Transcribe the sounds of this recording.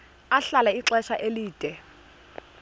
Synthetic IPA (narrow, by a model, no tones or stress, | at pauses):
aɬalaiǁɛʃaʔeliːd̥ʼʱɛ